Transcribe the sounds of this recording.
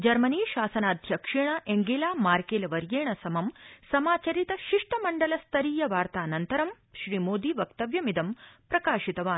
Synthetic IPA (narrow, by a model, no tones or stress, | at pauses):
d͡ʒɐɾmɐniːʃaːsɐnaːd̪ʱjɐkʂiɳɐʔeŋɡeːlaːmaːɾkeːlɐʋɐɾjeːɳɐsɐmɐmsɐmaːt͡ʃɐɾit̪ɐʃiʂʈɐmɐɳɖɐlɐst̪ʰɐɾiːjɐʋaːɾt̪aːnɐnt̪ɐɾɐm | ʃɾiːmoːd̪iːʋɐkt̪ɐʋjɐmid̪ɐmpɾɐkaːʃit̪ɐʋaːn